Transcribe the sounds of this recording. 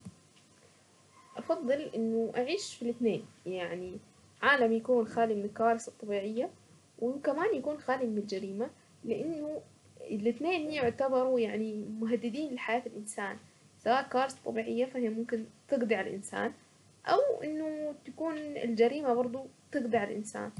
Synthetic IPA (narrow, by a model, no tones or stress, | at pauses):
ʔɑfɑðˤːɨlʔɪnːʊʔaʕiːʃfilɪt̪neːnjaʕni | ʕaːlamjakuːnxaːlimɪnɪlkːawaːɾɪsɑt̪ˤːɑbiːʕɪjːa | wʔɪkamaːnjakuːnxaːlimɪnɪld͡ʒaɾiːma | lɪʔanːʊ | ɪlʔɪt̪neːnhjʊʕt̪abɑɾˤujaʕnimʊɦad̪ːɪd̪iːnlɪħajaːt̪ɪlʔɪnsaːn | sawaːʔkːawaːɾɪsɑ̥t̪ˤːɑbiːʕɪjːafahɪjamʊmkɪnt̪ɪɡd̪ɪʕalʔɪ̰nsa̰ːn | ʔa̰wʔɪ̰nːʊt̪akuːnɪ̰ld͡ʒaɾiːmabɑɾˤd̪ˤut̪ɨɡd̪ɪʕalʔɪ̰nsa̰ːn